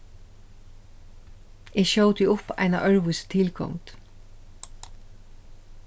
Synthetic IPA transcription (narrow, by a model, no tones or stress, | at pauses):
ɛːʃoːwt̪ɪʊpa̰jna̰ʔœɹʋʊst̪ʰɪlkʰɔ̰ŋt̪